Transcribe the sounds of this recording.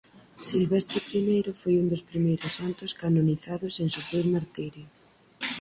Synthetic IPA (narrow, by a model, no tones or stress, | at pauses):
silβest̪ɾepɾimejɾofojund̪ospɾimejɾosant̪oskanoniθaðoseŋsupɾiɾmaɾt̪iɾjo